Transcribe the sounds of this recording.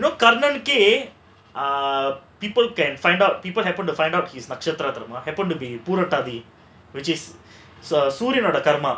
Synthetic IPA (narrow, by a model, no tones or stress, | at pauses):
inoːkɐɾɳɐnke | piːpəlkɛ̃nfãj̃ɳɖawʈ̚piːpəlɦɛpə̃ɳʈufãɪɳɖawʈhiːsnɐkʂɐt̪ɾat̪ɐɾɐmɐɦɛpə̃ɳʈubipuːɾɐʈaːd̪i | ʋɪt͡ʃis | suːɾjinaːɽɐkɐɾmɐ